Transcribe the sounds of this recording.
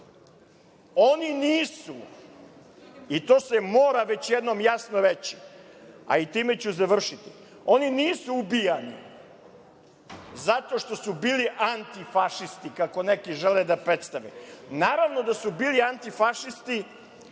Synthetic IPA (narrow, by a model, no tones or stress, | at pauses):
oniniːsu | it̪o̞ːsemoːɾaʋe̞t͡ɕjed̪no̞mjasnoɾet͡ɕi̥a̰it̪iːme̞t͡ɕuzaʋr̩ʃit̪i̥ | o̞niniːsuubijanḭ | zat̪o̞ʂt̪o̞subiːliʔant̪ifaʃist̪ikako̞nekiʒeled̪apɾe̞t̪st̪aʋḛnaːɾaʋno̞d̪asubiːliant̪ifaʃist̪i